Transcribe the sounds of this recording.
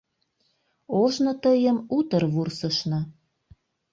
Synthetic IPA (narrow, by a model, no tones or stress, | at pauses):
oʒnot̪əjəmut̪ərβursəʃnɤ